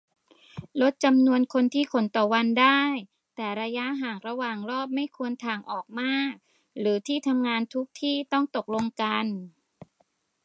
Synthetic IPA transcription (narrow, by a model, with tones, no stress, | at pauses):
lo˦˥t̪̚t͡ɕa˧mnu˧ənkʰo˧nt̪ʰiː˥˩kʰo˨˩˦nt̪ɔː˨˩wa˧ndaː˥˩j | t̪ɛː˨˩ɾa˧ja˦˥ɦaː˨˩ŋɾa˧waː˨˩ŋɾɔː˥˩p̚ma˥˩jkʰu˧ənt̪ʰaː˨˩ŋʔɔː˨˩k̚maː˥˩k̚ | ɾɯː˩˦t̪ʰiː˥˩t̪ʰa˧mŋaː˧nt̪ʰu˦˥k̚t̪ʰiː˥˩t̪ɔ˥˩ŋt̪o˨˩k̚lo˧ŋka˧n